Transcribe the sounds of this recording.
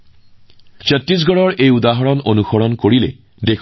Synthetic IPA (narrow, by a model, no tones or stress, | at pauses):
t͡ʃɔtɹis̬ɡɔɹɔɹejudaɦɔɹɔnonuxɔɹɔnkoɹilɛ̰ | dek